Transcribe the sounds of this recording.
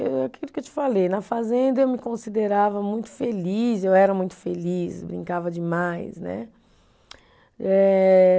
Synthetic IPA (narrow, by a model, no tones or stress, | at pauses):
eakilʊkewt͡ʃi̥falejnɐfazẽnd̪ɐewmɪkõsid̪eɾavɐmũj̃t̪ʊ̥felisewɛɾɐmũj̃t̪ʊ̥felisbɾḭ̃ŋkavɐd͡ʒɪmajsnɛ̰ | ɛ